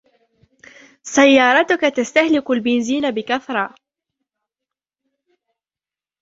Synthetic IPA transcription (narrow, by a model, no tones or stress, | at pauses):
sajːɑːɾˤɑt̪ʊkat̪ast̪ahlɪkʊlbɪnziːnabɪkaθɾˤɑː